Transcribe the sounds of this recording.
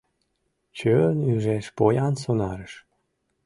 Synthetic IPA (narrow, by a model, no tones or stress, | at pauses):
t͡ɕønyʒeʃpojɑnsonɑɾəʃ